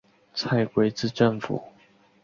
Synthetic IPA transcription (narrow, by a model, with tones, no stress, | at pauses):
t͡sʰa˥˩ɪkwe˧˥ɪt͡sɹ̩˥˧ʈ͡ʂə˥˩ŋfṵ˨˩˦